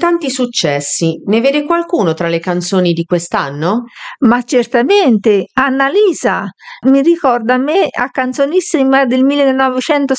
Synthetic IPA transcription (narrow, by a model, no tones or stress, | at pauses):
t̪ant̪isut͡ʃːɛsːineveːd̪ekwalkuːnot̪ɾalekant̪soːnid̪ikwest̪anːomat͡ʃːert̪ament̪eanːaliːzamirikɔrd̪amːɪa̰kːant̪sonisimad̪elmilːenːɔvɪt͡ʃɛnt̪o